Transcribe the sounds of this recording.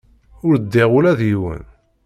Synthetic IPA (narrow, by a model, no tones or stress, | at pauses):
ʊɾd̪ːɪʁʊlæðjiwə̰n